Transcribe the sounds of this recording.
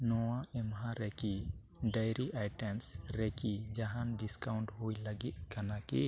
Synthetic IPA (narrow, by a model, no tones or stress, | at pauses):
nɔwaɛmɦãɾɛki | ɖəjɾiʔajʈɛmsɾɛkid͡ʒaɦanɖiskawɳʈhujləɡit̪̚kanakḭ